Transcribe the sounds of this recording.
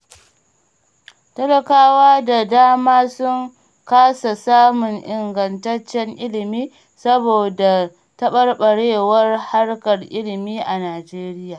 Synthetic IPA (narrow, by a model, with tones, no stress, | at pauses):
tɐ˦lɐ˨kaː˦waː˦da˨daː˦maː˦sʊ˦ŋ | kaː˦sa˨saː˦mʊ˨ŋʔɪ˨ŋɡɐ˨ntɐ˦t͡ʃːɛ˦ŋʔɪ˦lɪ˨miː˦ | sɐ˦boː˨da˨ | tɐ˦ɓɐ˦rɓɐ˨ɽeː˦˨wɐ˦rha˦ɽkɐ˨rʔɪ˦lɪ˨miː˦ʔa˨naː˨d͡ʒeː˦ɾɪ˦jaː˨